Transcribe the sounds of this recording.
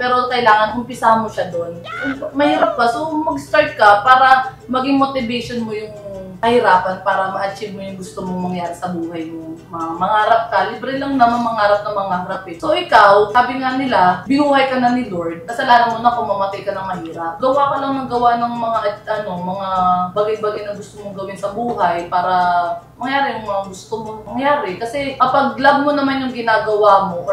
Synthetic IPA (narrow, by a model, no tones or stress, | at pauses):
pɛːɾokɐɪlaːŋɐnkʊmpɪsahanmoʃad̪o̞nʔmɐhiːɾɐp̚kɐso̞mɐɡst̪aɹt̪̚kɐpaːɾɐ | mɐɡɪŋmot̪ɪbɛjʃonmojʊŋkɐhɪɾaːpɐnpaːɾɐmɐʔɐt͡ʃɪv̚mojʊŋɡʊst̪omoŋmɐŋjaːɾɪsɐbuːhɐjnʊŋmɐŋamɐŋaːɾɐp̚kɐlɪbɾɛlɐŋnɐmɐmɐŋaːɾɐp̚nɐŋmɐŋahɐɾɐpɪso̞ʔɪkawsaːbɪŋanɪlabɪnuːhɐjkɐnɐnɪloɹd̪̚kɐsɐlaːnɐnmonɐkoŋmːɐmɐk̪ɪjkɐnɐŋmɐhiːɾɐp̚ɡɐwakɐlɐŋmɐɡɐwaʔnɐŋmɐŋaʔʔɐno̞mɐŋabaɡɐjbaːɡajnɐŋɡʊst̪omoŋɡɐwɪnsɐbuːɦɐjpaːɾɐmɐŋjaːɾɪjʊŋmɐŋaɡʊst̪omoŋmɐŋjaːɾɪkɐsɛkɐpɐɡ̚lɐb̚monɐmanjʊŋɡɪnaːɡɐwamo̞ʔ